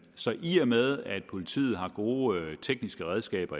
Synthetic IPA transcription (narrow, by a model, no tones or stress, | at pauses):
sɒ̽ʔiːɐmeðˠæd̥̚pʰo̝lit͡sʰḭːð̞̩ˠɦɑ̈ɡ̥o̝ːt͡sʰeɡ̥nisɡ̥əʁɛð̞ˠsɡ̥ɛ̰ːb̥ɐ